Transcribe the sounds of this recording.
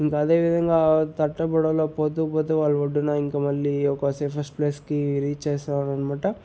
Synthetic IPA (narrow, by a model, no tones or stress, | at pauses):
iŋkɐːd̪e̞ːʋid̪ʱɐŋɡaːt̪ɐʈːɐpɐɽɐloːpoːt̪uːpoːt̪uːʋaːɭːuoɖːunaːiŋkɐmɐɭːiɔkɐsepʰɐspleːskiɾiːt͡ʃt͡ʃeːst̪aɾɐnɐmaːʈɐ